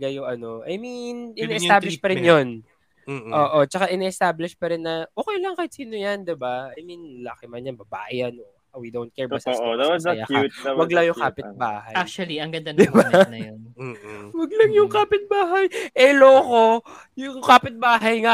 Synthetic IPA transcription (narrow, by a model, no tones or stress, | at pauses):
ɡɐjʊŋɐnoʔɐ̰jminʔɪnɛɛst̪aːblɪʃpɐɾɪnjon | ʔoːʔot͡ʃɐkaʔɪnɛɛst̪aːblɪʃpɐɾɪnːɐʔoːkɛjlɐŋkɐɪt̪siːnojɐnd̪ɪbaɐjminlakɪmɐnjɐnbɐba̰ːjɐnʔo | wid̪ownt̪̚kɛɹbasawɐɐjaaːutwɐɡlaŋjʊŋkaːpɪt̪̚ba̰ːhɐjakʃɐliɐŋɡɐnd̪ɐnd̪ɪbanɐjonwɐɡ̚lɐŋjʊŋkaːpɪt̪̚baːɦɐjʔɛloːko | jʊŋkaːpɪt̪̚baːɦɐjŋa